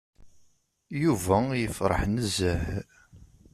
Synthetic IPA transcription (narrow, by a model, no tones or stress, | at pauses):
juvæjəfɾˤə̰ħnəzəh